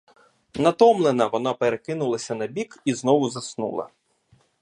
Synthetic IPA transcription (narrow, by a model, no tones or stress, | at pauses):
nɐt̪ɔmlˠenɐʋɔnɑpeɾekɪnʊlˠɐsʲɐnɐbʲikiznɔʋʊzɐsnṵlˠɐ̰